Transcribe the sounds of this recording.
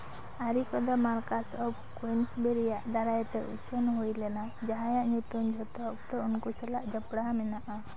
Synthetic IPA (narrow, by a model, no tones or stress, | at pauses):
aɾikɔd̪ɔmaɾkasɔb̚kwinsbɛɾijaʔd̪aɾajt̪ɛʔṵt͡ʃʰɛnɦujlɛna | d͡ʒaɦãjaʔɲut̪und͡ʒʱɔt̪ɔk̚t̪ɔunkusɛlaʔd͡ʒəpɽamɛnaʔa